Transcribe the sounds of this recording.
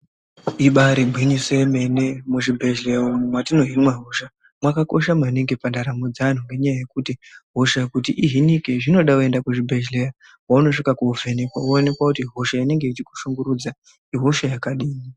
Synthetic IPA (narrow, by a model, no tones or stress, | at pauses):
iɓaɾiɡ͡bʱiɲiseme̞nemuʐibʱe̞ʒleumumwatino̞ɦinwaɦoʃa | mwakako̞̰ʃamaneŋɡe̞pandaɾamod͡zan̤uŋɡe̞ɲajaje̞kutiɦo̞ʃajekutiʔiɦinikeʐino̞ɗakue̞ndakuʐibʱe̞ʒleja | wauno̞ʂikakuuvʱe̞nekwa̰one̞kwakutiɦo̞ʃaine̞ŋɡe̞it͡ʃiku̥ʃuŋɡuɾud͡za | iɦo̞ʃajakaɗiːni